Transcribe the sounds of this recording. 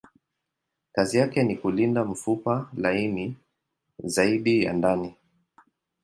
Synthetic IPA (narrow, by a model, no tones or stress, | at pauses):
kazijakɛnikulindam̩fupalaimi | zaiɗija̰ndani